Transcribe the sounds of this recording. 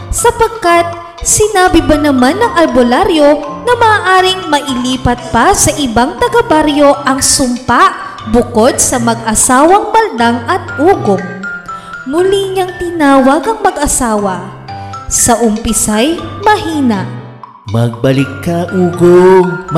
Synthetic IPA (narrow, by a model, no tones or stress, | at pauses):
sɐpɐɡ̚kɐt̪̚ | sɪnaːbɪbɐnɐmanːɐŋʔɐlbolaɾjo̞nɐmɐːʔaːɾɪŋmɐʔɪliːpɐt̪̚pɐsɐʔɪbaŋt̪ɐɡɐbaɾjo̞ʔɐŋsʊmpaʔ | bʊko̞d̪̚sɐmɐɡ̚ʔɐsaːwɐŋmɐld̪aŋɐt̪̚ʔuːɡom | mʊliɲɐŋt̪ɪnaːwɐɡɐŋmɐɡʔɐsaːwɐ | sɐʔʊmpɪsajmɐɦiːnɐ | mɐɡ̚bɐlɪkːɐʔuːɡom